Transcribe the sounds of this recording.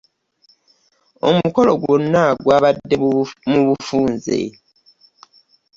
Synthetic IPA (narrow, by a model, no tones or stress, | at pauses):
o̞̰muko̞lo̞ɡwonːaɡwaːβadːe̞muβufuːnzḛ